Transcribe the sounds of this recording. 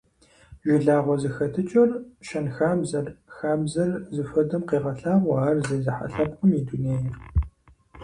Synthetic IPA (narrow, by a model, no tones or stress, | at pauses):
ʒʷɪɮaːʁʷɔzɨxɐtʰɨt͡ʃʼɐrʃɐnxaːbzɐrxaːbzɐrzɨfɐdɐmqiːʁɐɬaːʁwɑːrzɐjzɨħa̰ɬɐp̚qəmiduneːjɪr